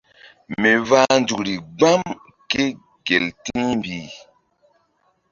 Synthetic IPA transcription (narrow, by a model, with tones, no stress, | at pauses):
me˨va˦nd͡ʒu˨ɾi˨ɡ͡ba˦m | ke˦ | ɡe˨ltĩ˦mbi˨